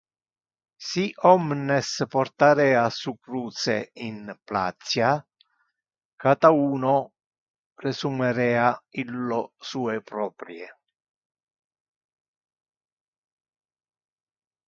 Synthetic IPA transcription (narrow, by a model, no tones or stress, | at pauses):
siʔɔmnespɔrt̪aɾɛːasukɾuːt̪sḛinpla̰t̪sja | kat̪auːno | resumeɾɛːailːosuːepɾɔːpɾje